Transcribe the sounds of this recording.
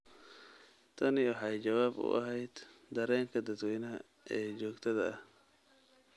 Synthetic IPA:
t̪ʰɐnɪwɑħɑjt͡ʃɐwaːbʊ̰ʔɐ̰ɦɛjd̪̥d̪ɐɾɛːŋkʰɐd̪ɐd̪wɛjnɐɐ | ʔɛːd͡ʒɔːɡt̪ʰɐðɐɐh

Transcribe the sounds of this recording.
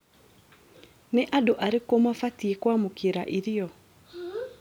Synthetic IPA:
neʔadoʔaɾekomafatiekwamokiɾa̰ʔiɾiɔ

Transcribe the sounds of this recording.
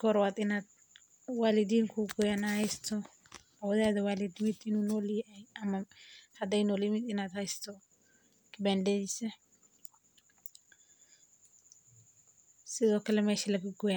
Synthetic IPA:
kɔɾwad̪ɪnad̪̚ | waːlɪd̪iːŋkʰuɡɔjanahɛjst̪ʰɔ | ɐwɔðaːðɐwaːlɪd̪ɪmɪd̪ɪnunɔːlɪɛjɐmɐhɐd̪ɛjnɔːlɪmɪd̪ɪnaːd̪hɐjst̪ʰɔ | kɪbɛnd̪ɛjɪsɛ | sɪðɔːkɐlɛmɛːʃɪlɐɡɪɡʊja

